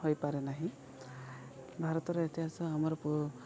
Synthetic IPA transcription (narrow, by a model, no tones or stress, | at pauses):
ɦojpaɾenaɦĩ | bʱaɾɔt̪ɔɾeet̪easɔamɔɾɔpu